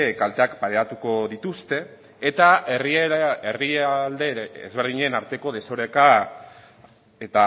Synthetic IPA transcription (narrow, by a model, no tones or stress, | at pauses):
kalt̪e̞akpaɾe̞at̪uko̞ðit̪ust̪e̞ː | t̪aerieriald̪e̞ḛzβeɾð̞iɲenaɾt̪e̞ko̞ð̞e̞so̞ɾeka | et̪a